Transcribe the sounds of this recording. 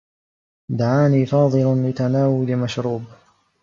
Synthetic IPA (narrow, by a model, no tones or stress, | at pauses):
d̪aʕaːniːfɑːðˤɨlanlɪt̪anaːwʊlɪmaʃɾuːb